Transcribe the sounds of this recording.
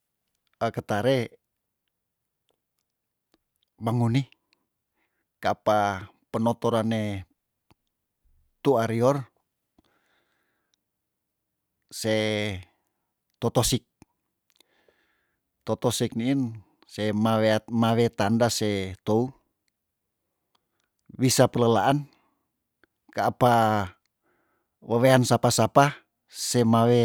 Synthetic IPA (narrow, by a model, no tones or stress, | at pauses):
əkət̪aɾe | baŋuni | kapa | pənot̪oɾane | t̪uaɾiɔr | se | t̪ɔt̪ɔsik̚ | t̪ɔt̪ɔsik̚niːn | semaweamawet̪andaset̪ou | wisapələlaʔan | kaːpa | waweansapasapa | semawe